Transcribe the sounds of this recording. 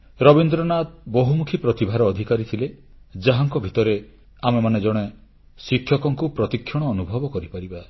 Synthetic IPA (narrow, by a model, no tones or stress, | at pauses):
ɾɔbind̪ɾɔnat̪̚bɔɦumukʰipɾɔt̪ibʱaɾɔːd̪ʱikaɾit̪ʰiled͡ʒaɦaŋkɔbʱit̪ɔɾe | amemaned͡ʒɔɽ̃e | sikʰjɔkɔŋkupɾɔt̪ikʰːjɔɽ̃ɔːnubʱɔbɔkɔɾipaɾiba